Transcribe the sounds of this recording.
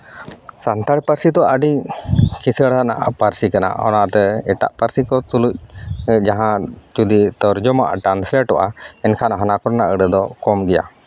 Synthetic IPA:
sant̪aɽpaɾsid̪ɔʔaɖikʰisəɽɦana̰ʔapaɾsikana̰ʔɔ̰nat̪ɛɛʈa̰ʔpaɾsikɔt̪uluc̚d͡ʒaɦãt͡ʃud̪it̪ɔɾd͡ʒɔmaʔa̰ʈɾanslɛʈɔʔaɛnkʰanaɦɔnakɔɾnaʔəɖɛd̪ɔkɔmɡɛja̰

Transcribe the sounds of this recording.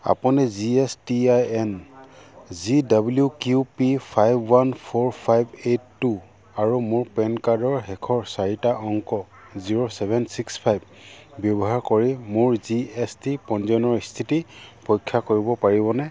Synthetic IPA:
a̰puniziɛstiajɛn | zidabljukjupipʰajbwanpʰɔɹpʰajbetːu | aɹumuɹpɛnkadɔɹɦɛkʰɔɹsaɹitaʔɔŋkɔ | ziɹosɛbʱɛnsikspʰajb | bjɔbɔɦaɹkoɹimuɹziestipɔnzɔnɔɹist̪ʰitipɔjkʰːakoɹibɔpaɹibɔnɛ

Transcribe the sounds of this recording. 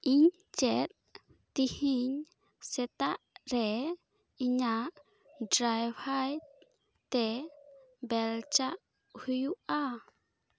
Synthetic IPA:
ʔiɲ | t͡ʃɛt̪̚ː | ihiɲ | sɛt̪aʔɾe | iɲaʔ | dɾajwhaj | t̪e | bɛlt͡ʃaʔ | hujua

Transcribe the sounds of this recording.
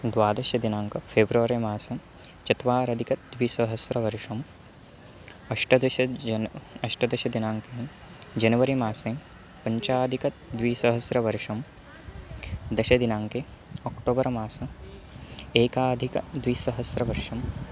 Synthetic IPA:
d̪ʋaːd̪ɐʃɐd̪inaːŋkɐpʰeːbɾɐʋɐɾeːmaːsɐ | t͡ʃɐt̪ʋaːɾɐd̪ʱikɐt̪̚d̪ʋiːsɐɦɐsɾɐʋɐɾʂɐm | ɐʂʈɐd̪ɐʃɐ | ɐʂʈɐd̪ɐʃɐd̪inaːŋke | d͡ʒɐnɐʋɐɾimaːseːm | pɐɲt͡ʃaːd̪ʱikɐt̪d̪ʋiːsɐɦɐsɾɐʋɐɾʂɐm | d̪ɐʃɐd̪inaːŋkeː | ɔkʈoːbɐɾɐmaːsɐ | eːkaːd̪ʱikɐd̪ʋiːsɐɦɐsɾɐʋɐɾʂɐm

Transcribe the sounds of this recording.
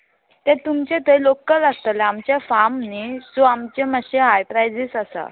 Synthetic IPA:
t̪ɛ̃t̪umt͡ɕẽt̪əjlokəlast̪əlamt͡ɕafamnid͡zoamt͡ɕeməɕeɦajpɾajd͡zisasa̰

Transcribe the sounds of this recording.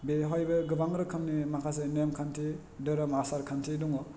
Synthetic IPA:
beɦɔjbɯɡɯbaŋɾɯkʰɯmnimakʰas̬enemkʰantʰi | dɯɾɯmasaɾkʰantʰiduŋɔ

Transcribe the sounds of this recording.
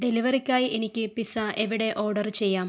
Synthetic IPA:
ɖe̞liʋɐrikʲːaːjiʔenikʲːɨpisaʔeʋiɽe̞ʔʔo̞ːrɖɐrt͡ɕe̞jːaːm

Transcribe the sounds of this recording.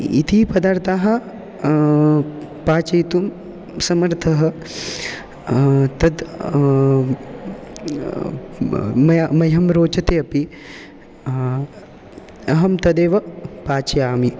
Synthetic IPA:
ḭt̪ʰipɐd̪aːɾt̪aːɦɐ | paːt͡ʃɐjt̪um | sɐmɐɾt̪ʰɐɦɐ̆ | t̪ɐd̪ | mɐmɐjɐmɾoːt͡ʃɐt̪eːɐpi | ɐɦɐmt̪ɐd̪eːʋɐpaːt͡ʃɐjaːmi

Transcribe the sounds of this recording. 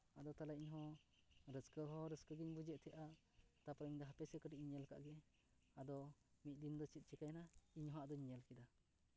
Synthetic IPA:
ad̪ɔt̪alaiɲɦɔ̃ | ɾəskəɦɔ̃ɾəskəɡiɲbud͡ʒɛʔt̪ʰɛʔa | t̪apɾəiɲd̪ɔɦapɛsɛkəʈiʔ̚ɲiɲəlka̰ʔɡɛ | ad̪ɔ | mit̪̚ˀd̪ind̪ɔt͡ʃit̪̚ˀt͡ʃɛkajnaiɲhɦɔ̃aʔd̪ɔɲiɲalkɛd̪a

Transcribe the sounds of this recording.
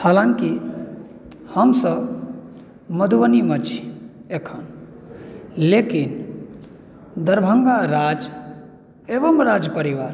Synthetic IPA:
halãŋki | həmsəb | məd̪ʱuwənimət͡ʃʰi̥ekʰən | lekin | d̪əɾbʱəŋɡaɾad͡ʒ | ebəmɾad͡ʒpəɾiʋaɾ

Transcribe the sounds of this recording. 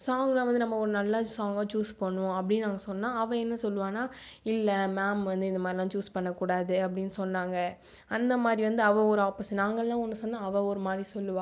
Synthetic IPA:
saːŋɡɐlãːʋɐnd̪ɯnɐmːɐɔɾɯnɐlːaːsaːŋɡɐt͡ʃuːspoɳːʊ̃ɐpːɐɽɪnnaːŋɡɐsɔnːãːɐʋɛ̃ɛnːɐsɔlːɯʋaːnaː | ɪlːɐmaːmʋɐnd̪ɯɪnd̪ɐmaːd̪ɾilãːt͡ʃuːspɐɳːɐkːuːɽaːðɯɐp̬ːɐɽɪnːɯsɔnːaːŋɡɐ | ɐnd̪ɐmaːd̪ɾiʋɐnd̪ɯɐʋɐ̃ɔɾɯaːpɪsnaːŋɡɐlãːɔnːɯsɔnːãːɐʋɐ̃ɔɾɯmaːd̪ɾisɔlːɯʋãː

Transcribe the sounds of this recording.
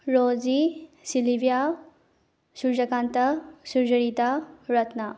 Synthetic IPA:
ɾozisilibja | suɾd͡ʒɐkant̪ɐsuɾd͡ʒɐɾit̪aɾɐt̪na

